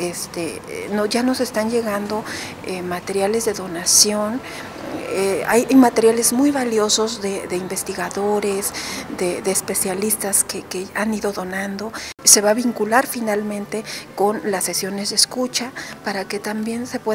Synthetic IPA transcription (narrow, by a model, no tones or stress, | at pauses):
est̪enoʝano̞se̞st̪anʝe̞ɣand̪o̞ | emat̪e̞ɾjale̞zðe̞ðo̞nasjo̞n | ea̰jajmat̪e̞ɾjale̞zmujβaljo̞so̞zðe̞ðe̞imbe̞st̪iɣaðoɾezd̪eðeːspe̞sjalist̪askekeaniðo̞ðo̞nãnd̪o̞se̞βaβiŋkulaɾfinalmẽ̞nt̪e̞ko̞nlasːe̞sjo̞ne̞zðeskut͡ʃapaɾake̞t̪ambje̞nse̞pwe